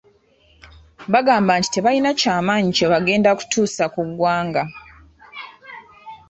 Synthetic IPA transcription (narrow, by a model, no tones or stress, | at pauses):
βaɡaːmbanti̥te̞βajinacaːmaːɲiceβaɡe̞ːndaku̥tʰuːsakuɡwaːŋɡa